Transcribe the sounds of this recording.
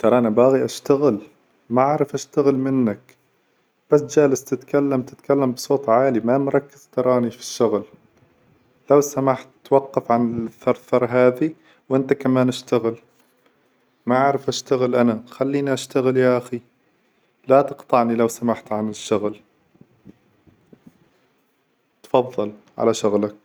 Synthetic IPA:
t̪ɑɾˤɑːʔnabaːɣiʔaʃt̪aɣɪl | maʕaʕɾˤɪfʔaʃt̪aɣɪlmɪnːak | b̥asd͡ʒaːlɪst̪ɪt̪kalːamt̪ɪt̪kalːambsˤoːt̪ˤʕaːlimamʊɾˤɑkːɪz̥t̪ɑɾˤɑːnifi̥ʃːʊɣl | lawsamaħt̪ːwɑqːɑfʕanɪθɑɾˤθɑɾˤɦaːði | wʔɪnt̪akamaːnʔaʃt̪aɣɪl | maʕaʕɾɪfʔaʃt̪aɣɪlʔanaxalːiːniʔaʃt̪aɣɪljaʔaxi | lat̪ɨqt̪ˤɑʕnilawsamaħt̪ʕanɪʃːʊɣl | t̪fɑðˤːɑlʕa̰laʃʊɣlak̚

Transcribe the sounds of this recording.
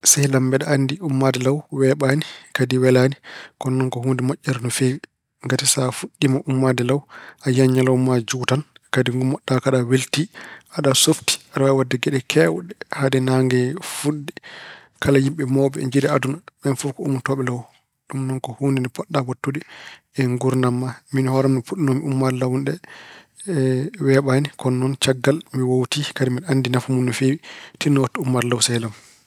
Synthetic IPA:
sajlambɛɗɛanːdiumːadɛlawwɛɓanikadiwɛlaːnikɔnːɔŋkɔhundimɔʔːɛɾnɔfewi | ŋɡatisafuɗːimaʔumːadɛlawʔajaɲːalawmad͡ʒutankadiŋɡumɔɗːakaɗaweltiʔaɗasofti̥aɗawawadːɛɡɛɗɛkʰɛwɗɛhadɛnaŋɡɛfuɗːi | kʰalajimɓɛmɔːɓɛ̰ɲd͡ʒidɛadunaɓɛnfɔfkɔumuntɔɓɛlaw | ɗumnɔnkɔhundinipɔɗːawatːudi | ɛŋɡuɾnamːaminhɔɾɔmnifuɗnomiumːaɾlawnɗɛ | wɛɓanikɔnːɔnt͡ʃaɡːalmiwowtikadimiɗandinafumunːɔfewitiːɔwatːɔumːaɾlawsɛlam

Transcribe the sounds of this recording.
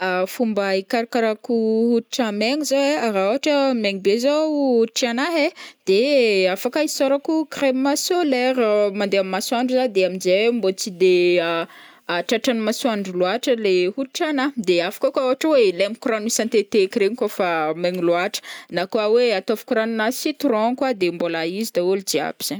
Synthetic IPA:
afumbaikaɾkaɾakuhutiʈ͡ʂameŋizoeaɾaoɦaʈ͡ʂəmeɲibezaʈ͡ʂanaɦed̪̥eafakaisoɾakukremmasoleɾmand̪eammːasuaɳɖ͡ʐuzad̪eaminzembot͡sid̪ea | aʈ͡ʂaʈ͡ʂanimasuaɳɖ͡ʐuluaʈ͡ʂəlehuʈ͡ʂanad̪eafḁkakaoɦaʈ͡ʂwelemikuɾanisãnt̪et̪ekreɲkofameɲiluaʈ͡ʂə̥nakoaweat̪ofu̥kuɾanunasit̪urɔ̃nkwad̪embolaizid̪aulud͡ʒia̰b̥iz̥a

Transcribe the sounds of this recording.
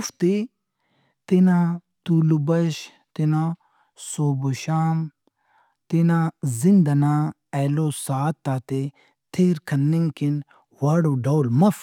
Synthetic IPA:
ft̪i | t̪inãt̪ulubɐʃ | t̪inã | soːboʃaːm | t̪inãːzɪnd̪anãː | ɛːloːsaːt̪ːaːt̪e | t̪ʰeːɾkʰɐnːiŋkin | waːɽoːɖɐwlmɐf

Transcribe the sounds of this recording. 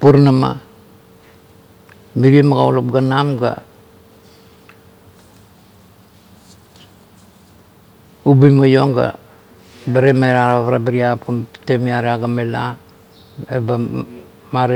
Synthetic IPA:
puɾnama̰ | miɾiemaɡaolop̚ɡanamɡa̰ | ubujmajo̞ŋɡa̰ | baɾemaeɾaɾaaβaɾabaɾiaputemiaɾeaɡamela | eba | maɾe

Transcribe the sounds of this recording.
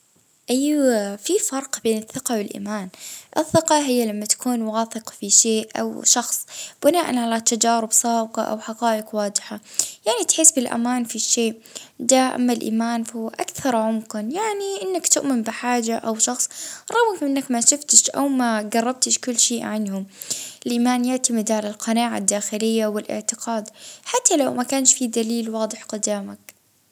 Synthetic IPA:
ʔiːfifɑɾˤqbeːnɨθːɪqɑwɪlʔḭːmaːnʔɪ̰θːɪqɑɦɪjːalamːat̪ḁkʰuːnwaːθɪqfiʃeːʔʔa̰wʃɑxsˤb̥ɪnaːʔa̰nʕalat̪ad͡ʒaːɾɪbsˤɑːbqɑʔa̰wħaqɑːʔɪqwaːd͡ʒɪħajaʕnit̪ħeːsbɪlʔa̰maːnfiʃeːʔ | d̪aʔa̰mːalʔḭːmaːnfʔa̰kθɑɾˤʕʊmqɪnjaʕniʔɪnːakt̪ʊʔmɪmbɪħaːd͡ʒaʔawʃɑxsˤɾˤɑwɪkʔɪnːakmaʃɪft̪ɪʃʔa̰wmaɡɑrˤːɑb̚t̪ɪʃkʊlːʃeːʔʕanhʊmʔɪlʔiːmaːnjaʕt̪amɪd̪ʕalalqɑnaːʕa̰d̪ːaːxɪlɪjːawɪlʔɪ̰ʕt̪ɪqʰɑːd̪ħat̪ʰːalawmakaːnʃfid̪aliːlwɑːd̪ˤɨħqʊd̪aːmak

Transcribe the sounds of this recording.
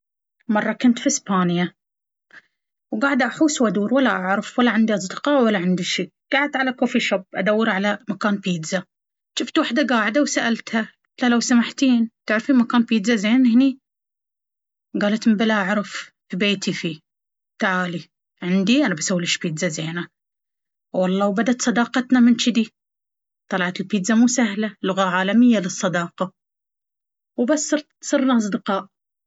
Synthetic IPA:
mɑrˤːɑkʊnt̪fiɪspaːnja | wɡaːʕɪd̪ʔaħuːswad̪uːɾwalːaʔaʕɾɑfwalːaʕɪnd̪iʔɑs̬ˤd̪ɨqɑwalːaʕɪnd̪iʃiːɡ̥aːʕɪd̪̚ʕalakoːfiʃabʔad̪awːɪɾʕalamakaːnpiːd̪za | ʃɪft̪waħd̪aɡaːʕɪd̪awsaʔalt̪ha | t̪lalawsamaħt̪iːnt̪ɪʕɾfiːnmakaːnpiːd̪zazeːnhɪni | ɡaːlat̪mɪmbalaːʕɾˤɑffibeːt̪ifiː | t̪aʕaːli | ʕɪnd̪iʔanabasawːlɪʃpiːd̪zazeːna | wɑlˤːɑːwbad̪at̪sˤɑd̪ɑːqɑt̪namɪnt͡ʃɪd̪i | t̪ˤɑlɑʕat̪ɪlpiːd̪zamuːsahlalʊɣaʕaːlamɪjːalɨsˤːɑd̪ɑːqɑ | wbasːɨɾ | sˤɨɾnaʔɑs̬ˤd̪ɨqɑːʔ

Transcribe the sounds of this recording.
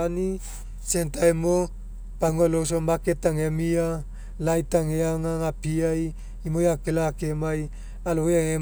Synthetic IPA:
ni | sent̪aemo | paŋolos̬omaket̪aŋemia | lait̪aŋeaŋaŋapiai | imojakelakemai | alojaŋe

